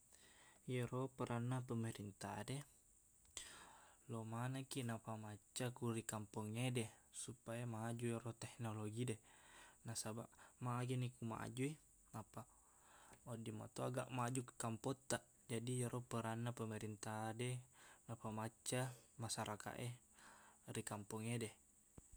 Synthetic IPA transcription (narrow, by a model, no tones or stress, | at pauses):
jeɾopəɾʔanːapəməɾint̪a̰de | lomanakinapamat͡ʃːakuɾikampɔŋedesupajamad͡ʒueɾot̪ɛk̚noloɡidenasabaʔmaːɡenikuma̰ʔa̰d͡ʒui | napa | odima̰t̪oaɡaʔmad͡ʒukkampɔt̪ːaʔ | d͡ʒadijaɾʔopəɾanːapəməɾint̪adenapamat͡ʃːamasaɾaka̰ʔe | rikampɔŋede